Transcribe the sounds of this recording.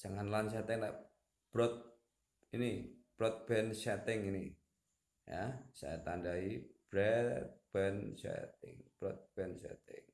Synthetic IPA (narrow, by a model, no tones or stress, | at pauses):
t͡ʃaŋanlans̬ɛt̪ɪŋla̰ʔ | b̥ɾɔt̪̚ | inib̥ɾɔt̪̚b̥ɛnsɛt̪ɪŋini | ja̰sa̰at̪andaib̥ɾɛt̪̚b̥ɛnsɛ̰t̪ɪ̰ŋb̥ɾɔt̪̚b̥ɛnsɛ̰t̪ɪ̰ŋ